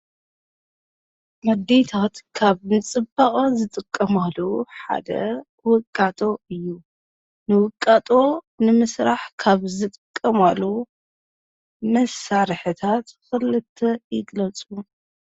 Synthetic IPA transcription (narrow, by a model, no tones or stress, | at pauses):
mɐd̪ːet̪ʰat̪kʰaβnɨt͡sʼɨbaχʼonzɨt̪ʼɨkʼːɐmalːoħa̰d̪ɐ̰ | wɨkʼːat̪ʼo̞ɨjːu | nɨwɨkʼːat̪ʼo̞ | nɨmɨsɾaħkʰaβzɨt̪ʼɨkʼːɐmalːo | mɐsaɾħɨt̪ʰat̪xɨlɨt̪ʰːɐjɪɡlɐt͡sʼum